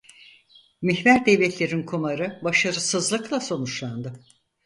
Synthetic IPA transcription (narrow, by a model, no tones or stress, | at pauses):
miçvæɾd̪evlʲɛt̪ʰlʲe̞ɾinkʰumaɾɯbaʃaɾɯsɯzlˠɯklˠaso̞nut͡ʃlˠand̪ɯ